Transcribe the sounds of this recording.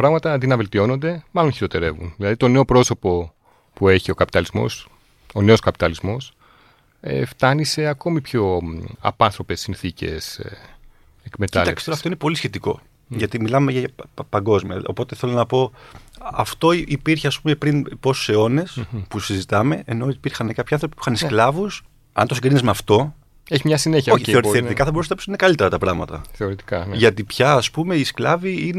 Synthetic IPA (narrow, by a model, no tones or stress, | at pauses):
pɾɐɣmɐt̪ɐðinɐve̞lt̪io̞no̞nd̪e̞mɐlo̞nçiɾo̞t̪e̞ɾe̞vṵnðilɐðit̪o̞ne̞o̞pɾo̞so̞po̞ | pue̞çio̞kɐpi̥t̪ɐlizmo̞̰s | one̞o̞skɐpit̪ɐlizmo̞s | ḛft̪ɐnise̞ɐko̞mipço̞ɐ̰pɐnθɾo̞pe̞sinθicḛse | ekme̞t̪ɐlɐeksisoɾɐft̪oinepo̞lisçe̞t̪iko̞̰ | ʝɐt̪imilɐmeʝɐɐpɐŋɡo̞zmiɐ̰o̰po̞t̪eθelonɐpo̞ | ɐft̪o̞ipiɾçeɐspumepɾinpo̞su̥seo̞ne̞spusizit̪ɐme̞ʔeno̞ipiɾxɐnekɐpçiɐnθɾo̞pi̥puixɐnsklɐvus | ɐ̰nt̪osiɡɾinizmeɐft̪o̞ | eçimɲɐsineçoçeoɾθeit̪ikɐθɐbo̞ɾusenɐpisinekɐlit̪e̞ɾɐt̪ɐpɾɐɣmɐt̪ɐ̰θeoɾit̪i̥kɐnʝɐt̪ipçɐːspume̞isklɐviine